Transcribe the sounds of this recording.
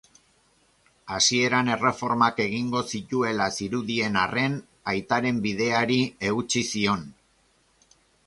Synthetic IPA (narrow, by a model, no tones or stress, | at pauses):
asie̞ɾane̞re̞fo̞ɾmake̞ɣiŋɡo̞sit̪ue̞lasiɾuðie̞nare̞n | ajt̪aɾe̞mbið̞e̞aɾie̞ɣut͡sisio̞n